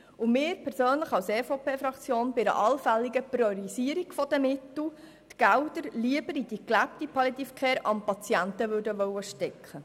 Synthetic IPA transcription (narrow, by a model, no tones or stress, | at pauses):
ʊmɪːɾpʰɛɾsøːnləχɑwseːfopʰeːfɾɑkt͡sjoːnbɪɾə̰ʔɑlfælːiɡəprjɔɾisiəɾiɡ̥fɔd̪əmɪt̪l̩ | t̪ɡ̥æwd̪əɾliəbəɾid̥̪iklæp̚t̪ipʰɑlit̪ifkʰeːɾɑ̰mpɑt͡sjæntəʋøːɾdəʋœwːəʃtɛkχə